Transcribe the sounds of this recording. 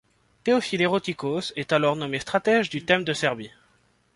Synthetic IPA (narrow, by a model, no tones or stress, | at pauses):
t̪eɔfileʁot̪ikosɛt̪alɔʁnɔmest̪χat̪ɛʒd̪yt̪ɛmd̪əsɛʁbi